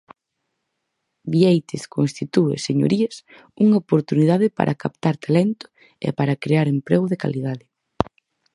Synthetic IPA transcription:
biejt̪eskonst̪it̪uḛseɲo̰ɾiɐs | uŋaopoɾt̪uniðaðɪpa̰ɾʔɐkapt̪aɾt̪alɛnt̪ʊ̥ | ḛpaɾɐkɾeaɾempɾeɣʊðeka̰liðaðɪ

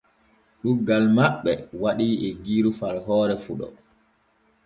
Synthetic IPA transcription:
ɗuɡalmaɓːɛwaɗiːʔɛɡiːɾufalɦɔːɾɛfuɗɔ̰

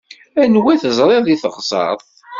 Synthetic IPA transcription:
ænwæθəzˤɾˤeðiθəʁsˤɑ̰ðˤ

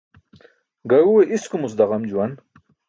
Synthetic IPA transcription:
ɡɐjuweʔiskumus̬d̪ɐʁɐmd͡ʑuwɐn

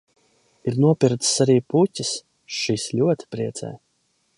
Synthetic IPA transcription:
iɾnuɔpiɾt̪saɾiːputʲis | ʃislʲuɔt̪i̥pɾiɛt̪sɛ̰ː

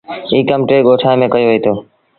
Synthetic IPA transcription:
iːkəmʈɾeːɠoːʈʰaːẽmẽːkəjoʋəiːt̪ʰoː

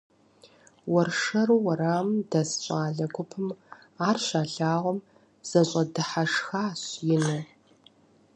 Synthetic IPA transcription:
wɐrʂɐruwɐɾaːmdɐsɕʼaːɮɐɡʷʰʊpʰɨm | aːrɕaːɬaːʁʷɔm | z̥ɐɕʼɐdɨħaʂxaːɕjɪnɨ

